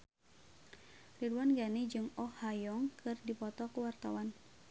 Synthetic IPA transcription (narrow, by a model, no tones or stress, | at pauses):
riduanɡanid͡ʒɨŋɔhːajɔŋkʰɨrdipɔt̪ɔkuwart̪awan